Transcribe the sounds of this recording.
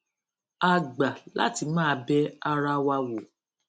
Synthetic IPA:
a˨ɡ͡ba˨la̰˦ti˧mãː˦˧bɛ˦a˧ɾa˧wa˧wo˨

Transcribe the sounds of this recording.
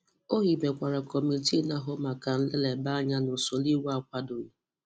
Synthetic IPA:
o˦ɦi˨be˨kʷa˨ɾa˨kɔ˨mi˨ti˦na˦ɦʊ˦ma˨ka˨n̩˦le˦le˨ba˦ɲa˦nʊ˨so˨li˦wu˦a˦kʷa˦do˨

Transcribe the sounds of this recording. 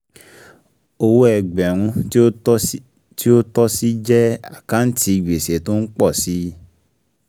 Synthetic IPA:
o˧wo˦ɛ˧˨ɡ͡bɛ˨ɾ̃ũ˧˦ | ti˦o˦tɔ˦si˦d͡ʒɛ˦a˦˨kã˦n̩˦ti˧˨ɡ͡be˨se˨˦to˦n̩˦k͡pɔ˦˨si˦

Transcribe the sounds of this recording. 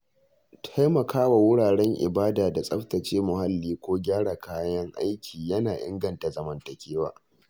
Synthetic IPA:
tʰa˦jmɐ˨kʰaː˦wa˨wʊ˦ɽaː˨ɽɛ˦ŋʔɪ̰˨baː˦daː˨da˨sʼɐ˦ɸtɐ˨t͡ʃeː˦mʊ˨ha˦lːiː˦kʷoː˦ɡʲaː˦ɽa˨kʰaː˦jɐ˦ŋʔa˦jkʲʰiː˨jɐ˦naː˨ʔɪ̰˦ŋɡɐ˨nta˨zɐ˦mɐ˦ntɐ˨kʲʰeː˦waː˦

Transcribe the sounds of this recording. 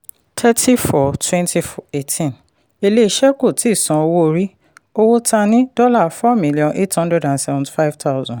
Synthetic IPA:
tʰɛ˦ti˦fɔ˨twɛ̃˦nti˦fɔ˨e˦tĩ˦n | e˧le˦i˨ʃɛ˦ko˦˨ti˨˦˨sã˨o˧wo˦o˧ɾi˦ | o˦wo˦tʰa˧nĩ˦dɔ˦la˦˨fɔ˦mĩ˦li˨ɔ̃˨nʔe˦thɔ̃˦ndɾɛ˦dã˨nsɛ˦vɔ̃˨nti̥˨fa˦jvtʰa˦ʊzɔ̃˨n

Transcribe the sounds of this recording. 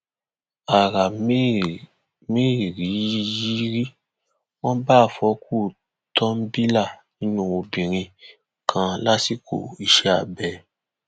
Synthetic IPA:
a˨ɾa˨˦ | mĩ˦i˨ɾi˨˦ji˦ɾi˦ | wɔ̃˦baː˦˨fɔ˨˦ku˦˨ | tɔ̃˦m̩˦bi˦la˦˨nĩ˦nũ˦˨o˧bĩ˨ɾ̃ĩ˧ | kʰã˧la˦si˦kʰo̰˨i˧ʃɛ˨˦a̰˦˨bɛ˨

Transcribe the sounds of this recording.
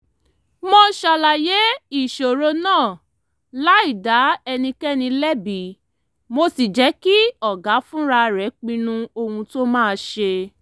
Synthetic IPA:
mɔ̃˧ʃa˨la˨je˨˦i˦˨ʃo˨ɾo˧nãː˦˨ | la˦i˦˨da˨˦ɛ˧nĩ˧kɛ˦nĩ˧lɛ˦bi˨˦ | mo˧si˨d͡ʒɛ˨˦ki˦ɔ˨ɡa˨˦fũ˦ɾa˧ɾɛ˨˦k͡pĩ˧nũ˦˧o˧hũ˧to˦mãː˦˨˧ʃe˧

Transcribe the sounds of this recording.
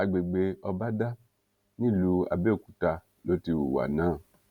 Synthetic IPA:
a˨ɡ͡be˨ɡ͡be˧ɔ˧ba˦da˦ | nĩ˦˨lu˧˦a̰˨be˦o˦˨ku˨ta˧ | lo˨˦ti˧wṵ˨wa̰˨nãː˨˦˨

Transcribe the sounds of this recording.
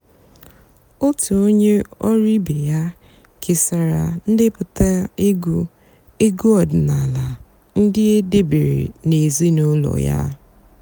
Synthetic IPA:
o˦tu˨o˦ɲe˦ɔ˦ɾi˦be˨ja˦ | kʰɪ˨sa˨ɾa˨n̩˦dɪ˦pʊ˨ta˦e˦ɡu˦ | e˦ɡu˦ɔ˨d̩˨na˨la˨ | n̩˦dɪ˦e˦de˦be˨ɾḛ˨ne˨zi˦no˦lɔ̰˨ja̰˦

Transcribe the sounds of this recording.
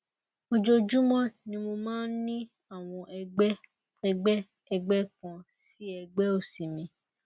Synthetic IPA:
o˧d͡ʒo˧d͡ʒu˦mɔ̃˦nĩ˧mo˧mãː˦n̩˦nĩ˦ | a˦˨w̃ɔ̃˧ʔɛ˦ | ɛ˧ɡ͡bɛ˦ɛ˧ɡ͡bɛ˦kã˧ssi˦ɛ˧ɡ͡bɛ˦o˦˨si˨mĩ˧

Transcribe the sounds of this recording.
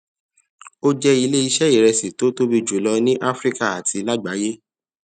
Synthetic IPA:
o˦d͡ʒɛ˧i˧le˦i˧ʃɛ˦i˦˨ɾɛ˧si˨to˨˦to˦bi˧d͡ʒu˨˦˨lɔ˧nĩ˦ʔa˦fɾi˦ka˦˨a˨tʰi˧la˦ɡ͡ba˨˦je˦

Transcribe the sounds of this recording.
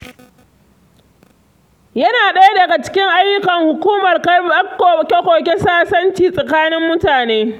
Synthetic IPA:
jɐ˦naː˨ɗɐ˦ja˦dɐ˨ɡa˨t͡ʃɪ̥˦kʲɪ˦ŋʔa˦jːʊ˦kɐ˨ŋhʊ˨kʷuː˦mɐ˨rkɐ˦kːo˨kʲe˦kʷoː˨k̬ʲe˦saː˦sɐ˦nt͡ʃiː˨sʼɐ˨kaː˦nɪ˦mːʊ˦taː˨neː˦

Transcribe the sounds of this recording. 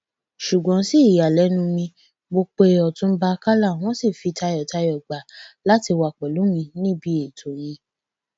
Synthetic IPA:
ʃu˨ɡ͡bɔ̃˨˦si˦˨ja˨lɛ˨˦nũ˧mĩ˧ | ɡ͡bo˧k͡pe˧˦ɔ˨tũ˧˦ba˧ka˦la˦˨w̃ɔ̃˦si˦˨fi˧ta˧jɔ˨ta˧jɔ˨ɡ͡ba˨la˦ti˧wa˨k͡pɛ˨lu˨˦mĩ˧nĩ˦bi˧˦e˨tʰo˨j̃ĩ˧

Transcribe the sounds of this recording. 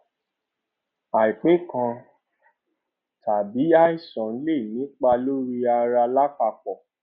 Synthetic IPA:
a˨i˨k͡pe˨˦kã˧ | tʰa˨bi˨˦a˦i˦˨sɔ̃˨n̩˦le˦˨nĩ˨˦k͡pa˧lo˦ɾi˦a˧ɾa˧la˦ka˧k͡pɔ˨

